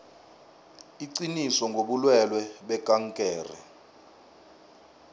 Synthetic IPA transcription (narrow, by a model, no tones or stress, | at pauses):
iǀinisɔŋɡʱoɓulwɛlwɛɓɛkʼaŋkʼɛːrɛ̰